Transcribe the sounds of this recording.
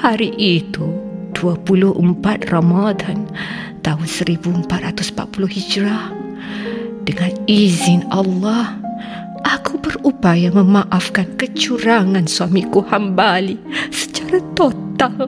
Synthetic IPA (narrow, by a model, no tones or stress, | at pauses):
haɾiʔit̪ud̥uəpulʊhəmpat̪̚ramad̪an | t̪aɦʊnsəɾibuəmpat̪rat̪ʊsm̩pa̰t̪̚pulʊhhid͡ʒɾa | d̥əŋanizɪnʔalːɑh | ʔakubərupajaməmãʔafkankət͡ʃuɾaŋãnsuamikuhambalisə̥t͡ʃaɾat̪ot̪al